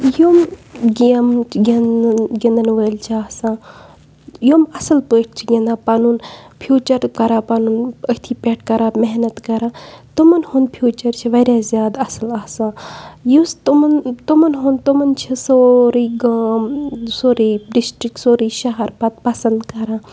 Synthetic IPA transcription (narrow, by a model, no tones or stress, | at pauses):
joːmɡimɡʲinɡʲend̪ɐnʋəːlt͡ʃʰiaːsãː | jomɐsɐlpəːʈ̚ʰt͡ʃʰiɡʲend̪aːpanuːn | pʰjuːt͡ʃɐɾkɐɾaːpanuːnət̪ʰiːpʲeʈʰkɐɾaːmeɦnɐt̪kɐɾãːt̪umɐnhund̪pʰjuːt͡ʃɐɾt͡ʃʰiʋɐɾʲaːzjaːd̪ɐsɐlaːsãːjust̪umɐnt̪umɐnɦunt̪omɐnt͡ʃʰisoɾiːɡɐmsoːɾiːɖisʈɾik̚soːɾiːʃɐɦɐɾpɐt̪̚pɐsɐnd̪kɐɾãː